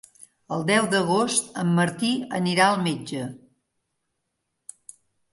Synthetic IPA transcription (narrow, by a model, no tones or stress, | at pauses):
əlˠd̪ɛwd̪əɣost̪əmːəɾt̪iə̰niɾaəlˠmed͡ʒə